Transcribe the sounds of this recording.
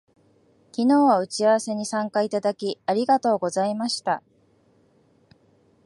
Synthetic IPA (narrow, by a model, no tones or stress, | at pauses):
kʲino̞ːβaɯ̟t͡ɕiaβase̞ɲ̟isãŋkait̪ad̪akʲiaɾʲiɡat̪o̞ːɡo̞zaimaɕi̥t̪a